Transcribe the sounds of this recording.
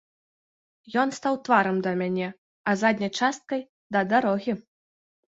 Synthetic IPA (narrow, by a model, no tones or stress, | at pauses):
jɔnst̪awt̪vaɾɐmd̪ɐmʲanʲɛ | ɐzad̪ʲnʲɐjt͡ʂast̪̚kɐj | d̪ɐd̪aɾɔɣʲi